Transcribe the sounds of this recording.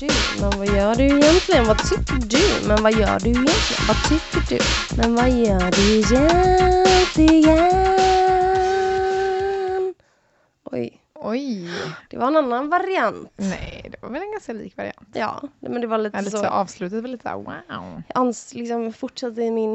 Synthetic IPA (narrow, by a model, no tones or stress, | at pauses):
d̥ʉmɛnvajœːɖɵɪjɛnt̪ʰlɪɡənvat̪ʰʏkːəɖʉmɛnvajœ̰ːɖɵɪjɛnt̪lɪɡə̰nvat̪ʰʏkːəɖɵ̰mɛnvajœːɖɵjɛnt̪ʰlɪɡɛ | n | ʔɔ̰j | ɔjd̪̥ɛvaɾɛnanːanvaɾɪant̪nɛɪd̪ɛva̰ɾvɛlɛnɡanskalḭːkvaɾɪ̰a̰nt̪jɑ̰ːmɛnd̪ɛvaɾliːt̪ədəsoɑːvslʉt̪ad̪əvɛliːt̪əsːwa̰ʊjɑʔanːslɪksɔmfʊʈʂat̪ːəɪmɪn